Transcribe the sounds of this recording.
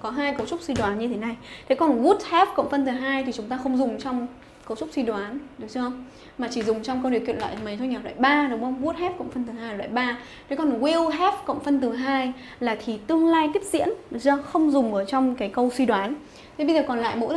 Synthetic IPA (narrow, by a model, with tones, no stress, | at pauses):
kɔ˨˦ɦaː˧jkə˧wt͡ɕʊ˦˥k͡p̚swi˧ɗwaː˨˦nɲɨ˧t̪ʰe˨˦na˨˩jt̪ʰe˨˦kɔ˨˩nɣu˦˥t̚hɛ˦˥p̚kə̰˧˨wŋ͡mfə˧nt̪ɨ˨˩ɦaː˧jt̪ʰi˨˩t͡ɕʊ˨˦ŋ͡mt̪aː˧xə˧wŋ͡mzʊ˨˩ŋ͡mt͡ɕɔ˧wŋ͡m | kə˧wt͡ɕʊ˦˥k͡p̚swi˧ɗwaː˨˦nɗɨ˨˦w̚t͡ɕɨ˧hə˧wŋ͡m | maː˨˩t͡ɕi˧˩zʊ˨˩ŋ͡mt͡ɕɔ˧wŋ͡mkə˧wɗɨ˨˩kwḭ˧˨nlwa̰ː˧˨mə˨˦jt̪ʰo˧jɲaː˨˩lwa̰ː˧˨˩jɓaː˧ɗə˨˦wŋ͡mkɣu˦˥t̚hɛ˦˥p̚kə̰˧˨wŋ͡mfə˧nt̪ɨ˨˩ɦaː˧ja˨˩wa̰ː˧˨˩jɓaː˧ | t̪ʰe˨˦kɔ˨˩nɣi˧wɦɛ˦˥p̚kə̰˧˨wŋ͡mfə˧nt̪ɨ˨˩ɦaː˧j | laː˨˩t̪ʰi˨˩t̪ɨ˧əŋlaː˧jt̪i˦˥əp̚zḭ˧˥ən˨za˧xə˧wŋ͡mzʊ˨˩ŋ͡mʔəː˧˩t͡ɕɔ˧wŋ͡mkaː˨˦jkə˧wswi˧ɗwaː˨˦n | t̪ʰe˨˦ɓə˧zəː˨˩kɔ˨˩nla̰ː˧˨jmo̰˧˥